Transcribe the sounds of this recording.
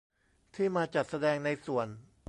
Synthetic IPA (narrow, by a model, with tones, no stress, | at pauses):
t̪ʰiː˥˩maː˧t͡ɕa˨˩t̪̚sa˧dɛː˧ŋna˧jsu˨˩ən